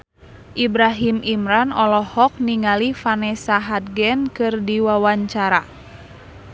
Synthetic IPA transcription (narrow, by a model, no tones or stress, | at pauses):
ʔibɾaɦimʔimɾanɔlɔhɔk̚niŋalifanɛsaɦad̪̚ɡɛnkɨrdiwawaɲt͡ʃaɾa